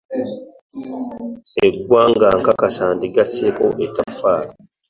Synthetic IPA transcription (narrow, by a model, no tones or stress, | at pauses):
eɡʷwaŋɡaːŋkakasaːndiɡaseko̰ʔetafaːli